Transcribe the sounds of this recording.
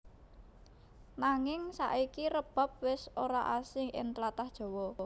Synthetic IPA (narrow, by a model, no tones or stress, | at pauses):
naŋɪŋsa̰ʔikiɾəb̥ä̤p̚wɪsoɾaʔasɪŋʔɪ̰nt̪lat̪ahd̥ʒ̥ɔ̤wɔ